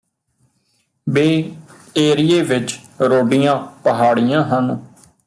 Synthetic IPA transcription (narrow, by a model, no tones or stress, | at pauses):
beː | eːɾijeːʋɪt͡ʃɾoːɖijãːpəɦaːɽɪjãːɦən